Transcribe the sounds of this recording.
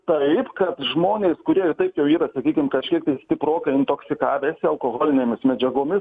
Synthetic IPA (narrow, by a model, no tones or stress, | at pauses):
t̪ɐɪpkɐt̪ʒmoːnʲeːskʊɾʲiɛɪrt̪ɐɪpjɛʊiːɾɐsɐkʲiːkʲɪmkɐʃʲkʲiɛk̚t̪ɐɪsʲt̪ʲɪpɾoːkɐɪɪnt̪oːksʲɪkɑːʋʲeːsʲɪɐlˠkoːɣoːlʲɪnʲeːmʲɪsmʲɛd͡ʒʲɛɡoːmʲɪs